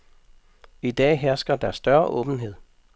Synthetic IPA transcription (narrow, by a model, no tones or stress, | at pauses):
id̥ɛ̰ːɦæɐsɡ̥ɐd̥æɐsːd̥ɶɐʔɔ̽ːb̥n̩ɦe̝ð̰ˠ